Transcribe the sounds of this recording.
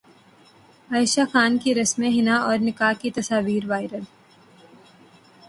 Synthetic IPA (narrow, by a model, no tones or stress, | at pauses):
aːɪʃaxaːnkiɾɐsmẽɦɪnaɔːɾnɪkaːkit̪ɐsaːʋiːɾʋaːɪɾəl